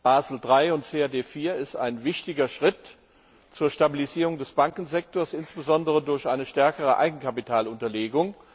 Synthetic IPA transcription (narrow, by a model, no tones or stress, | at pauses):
b̥aːzl̩dʁaɪʊntt͡seːadeːfiːɐɪsta̰ɪnvɪçtɪɡɐʃʁ̥ɪt | t͡suːɐʃtabiliziːʁʊŋdɛsb̥aŋkn̩zɛk̚toːɐsɪnsb̥əzɔndəʁədʊɐçʔaɪnəʃtɛɐkəʁəʔa̰ɪɡŋ̩kʰapitʰaːlʊntɐleːɡʊŋ